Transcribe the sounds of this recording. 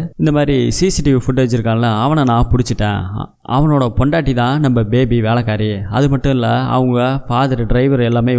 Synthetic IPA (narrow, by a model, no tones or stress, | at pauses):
ɪnd̪ɐmaːd̪ɾisiːsɪʈɪʋfʊʈːeːd͡ʒɪɾɯkːaːŋɐlːɐɐʋɐnɐnãːpʊɽɪt͡ʃːɯʈːḛ̃ː | ʔɐ̰ʋɐnoːɽɐpɔɳɖaːʈːit̪ãːnɐmbɐbeːbiʋeːlɐkːaːɾiɐðɯmɐʈːɯ̃ɪlːɐɐ̰ʋɐŋɡɐfaːðɐɾɖɾɐɪʋɐɾɛlːaːmeː